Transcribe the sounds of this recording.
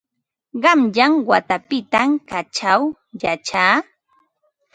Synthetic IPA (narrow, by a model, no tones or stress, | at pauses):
ɢɑmʎaŋwat̪apɪt̪amkat͡ʃaw | jat͡ʃaː